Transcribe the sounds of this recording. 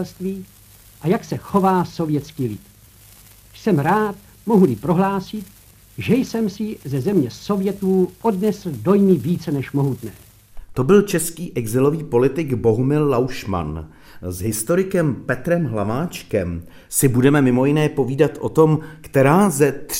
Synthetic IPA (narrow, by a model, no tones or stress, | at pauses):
lst̪viː | ʔajaksɛxo̞vaːso̞vjɛt͡skiːlɪt̪ | sɛmɾaːt̪ | mo̞ɦulɪpɾo̞ɦlaːsɪt̪ | ʒɛjsɛmsɪzɛzɛmɲɛso̞vjɛt̪uːo̞dnɛsl̩do̞jmɪviːt͡sɛnɛʃmo̞ɦut̪nɛ̰ː | t̪o̞bɪlt͡ʃɛskiːʔɛɡzɪlo̞viːpo̞lɪt̪ɪɡbo̞ɦumɪlːawʃma̰n | zɦɪst̪o̞ɾɪkɛmpɛt̪ɾɛmɦlavaːt͡ʃkɛm | sɪbudɛmɛmɪmo̞jɪnɛːpo̞viːdat̪ʔo̞t̪o̞mkt̪ɛɾaːzɛt̪